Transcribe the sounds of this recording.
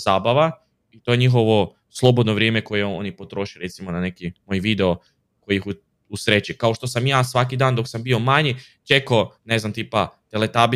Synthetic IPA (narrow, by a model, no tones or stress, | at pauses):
z̥aːbaʋa | it̪o̞je̞ɲixo̞ʋo̞ | slˠo̞bod̪noʋɾje̞ːmeko̞jeo̞̰nipo̞t̪ɾo̞ʃiɾe̞t̪simonane̞kimojʋid̪eo̞ | ko̞jiixu | usɾet͡ɕikaoʃt̪o̞samjaːsʋakid̪aːnd̪o̞ksambio̞maɲi | t͡ʃe̞kone̞znamt̪iːpat̪elet̪abi